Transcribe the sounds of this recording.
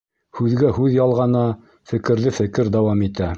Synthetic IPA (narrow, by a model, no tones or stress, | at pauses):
hʉðɡæɦʉðjɑlˠʁɑnɑ | fɘ̆kɘ̆ɾðɘfɘ̆kɘɾd̪ɑwɑmit̪æ